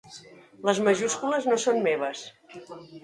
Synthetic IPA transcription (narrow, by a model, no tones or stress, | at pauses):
ləzməʒuskuləznosonmeβ̞əs